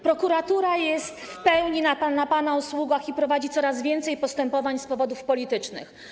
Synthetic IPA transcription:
pɾɔkuɾat̪uɾajɛst̪fpɛwɲinaanapanauswuɡaxipɾɔvad͡ʑit̪sɔɾazvʲjɛnt̪sɛjpɔst̪ɛmpɔvaɲspɔvɔd̪ufpɔlʲit̪ɘt͡ʂnɘ̰x

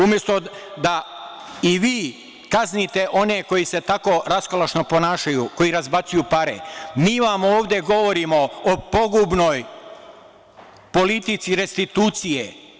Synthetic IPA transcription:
umje̞st̪o̞d̪a | iʋiː | kaznit̪e̞ʔo̞ne̞ko̞jise̞t̪ako̞ɾaskolaʃnopo̞naːʃajuko̞jiɾazbat̪sujupaɾḛmiːʋamo̞ːʋd̪eɡo̞ʋo̞ɾimo̞opo̞ɡubno̞j | po̞lit̪it̪siɾe̞st̪it̪uːt̪sije

